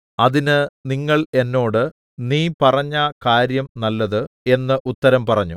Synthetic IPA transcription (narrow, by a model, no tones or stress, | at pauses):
ɐðinɨniŋːɐɭe̞nːo̞ːɽɨ | niːpɐrɐɲːaːkaːɾjɐmnɐlːɐðɨe̞nːɨʔut̪ːɐɾɐmpɐrɐɲːu